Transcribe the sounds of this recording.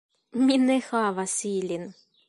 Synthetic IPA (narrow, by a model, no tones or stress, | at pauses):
mʲinexɑvasilʲin